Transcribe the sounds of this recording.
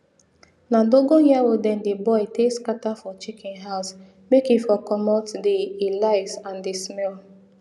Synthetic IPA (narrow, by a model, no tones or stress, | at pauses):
nadoɡɔ̃hjawodɛ̃ndebɔɪteskatafɔt͡ʃikɛ̃nɦaʊs | mekifɔkɔmɔtdelaɪsãndesmɛl